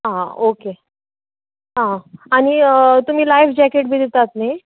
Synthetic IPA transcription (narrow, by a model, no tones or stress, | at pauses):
ɦãoke | ɦãaɽ̃it̪um̤iːlajfd͡ʑɛkeʈ̚bʱiːd̪et̪at̪ne